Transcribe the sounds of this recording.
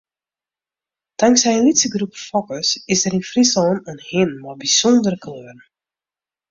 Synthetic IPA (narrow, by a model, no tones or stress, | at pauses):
taŋksɛjəlitsəɡrupfɔkəsɪsdəɾinfrisɔːnənhɪnmɔbisɔndərəkløːr